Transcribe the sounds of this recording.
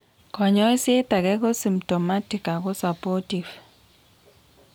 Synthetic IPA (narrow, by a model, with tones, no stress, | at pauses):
kɔ˨ɲɔ˦i˦se˦t̪a˨ɡɛ˦ɡɔ˦si˨mtɔ˨ma˦ti˨ka˨ɡɔ˦sa˨pɔ˦ti˨v